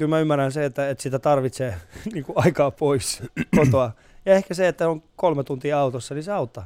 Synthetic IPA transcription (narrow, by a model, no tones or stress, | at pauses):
kylmæymːærænseet̪ːæet̪sit̪æt̪ɑrʋit̪seːniːŋkuɑikɑːpoiskot̪oɑ | jɑehkæseet̪ːæsoŋkolmet̪unt̪iːɑut̪osːɑniseɑut̪ːɑ